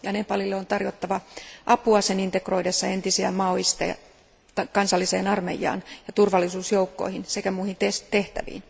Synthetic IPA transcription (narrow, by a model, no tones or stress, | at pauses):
jɑnepɑlilːeont̪ɑrjo̞t̪ːɑʋɑʔɑpuɑsenint̪ekro̞ijdesːɑe̞nt̪isiæmɑoist̪ɑ̰jɑ̰ | t̪ɑkɑnsɑlːiseːnɑrme̞̰jɑ̰ːnjɑt̪urʋɑlːˑisuːsjoukːo̞̰ihinse̞kæmuːhint̪est̪eht̪æ̰ʋḭːn